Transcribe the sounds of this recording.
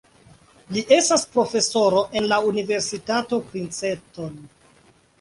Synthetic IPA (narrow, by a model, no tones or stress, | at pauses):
liʔe̞staspɾo̞fe̞so̞ɾo̞ʔe̞nlaunive̞ɾsitato̞pɾint͡se̞ton